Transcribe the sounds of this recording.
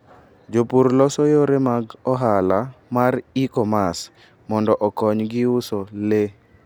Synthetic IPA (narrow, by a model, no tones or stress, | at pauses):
d͡ʒopuɾlɔsɔjoɾemaɡɔɦalamaɾikɔmas | mɔndɔʔɔkɔɲɡɪʊsɔle